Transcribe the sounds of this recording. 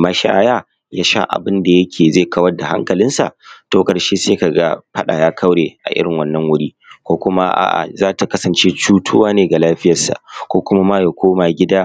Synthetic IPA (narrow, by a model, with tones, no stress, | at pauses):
ma˦ʃaː˦jaː˦ | jaː˦ʃa̰˦ʔa̰˨bɪ˦nda˨jɐ˦kʲʰeː˨ze˦˨kɐ˦wɐ˦rda˨ha̰˦ŋkɐ˨lɪ˦nsa̰˨toː˦kʼɐ˨ɽʃe˦seː˦ka˨ɡa˦ɸɐ˦ɗa̰˨jaː˦kʰɐ˦wɽeː˨ʔa̰˨ʔɪ˦ɽɪ˨ŋwɐ˦nːɐ˦ŋwʊ˦ɽiː˦ | kʷoː˦kʷʊ˦ma˦ʔa̰˨ʔa̰˨zaː˦ta˨kɐ˦sɐ˨nt͡ʃe˦t͡ʃuː˦tʰʊ˦waː˦neː˨ɡa˨laː˦ɸɪ˦jɐ˨sa̰˨ʔkʷoː˦kʷʊ˦ma˦maː˦ja˨kʷʰoː˦ma˨ɡʲɪ˦daː˦